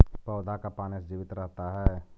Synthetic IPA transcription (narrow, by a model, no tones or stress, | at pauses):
pəːd̪ʱakapaːnesd͡ʒiːʋɪt̪ɾəɦt̪aɦɛː